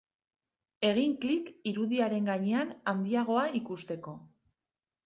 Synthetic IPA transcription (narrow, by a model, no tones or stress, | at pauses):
e̞ɣ̞iŋklikiɾuðiaɾe̞ŋɡaɲe̞anand̪iaɣ̞o̞aikust̪e̞ko̞